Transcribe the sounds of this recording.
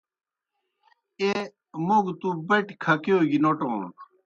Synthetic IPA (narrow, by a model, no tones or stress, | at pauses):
e | muɡt̪ubeʈkʰɐkeoːɡinoʈõ̰ːn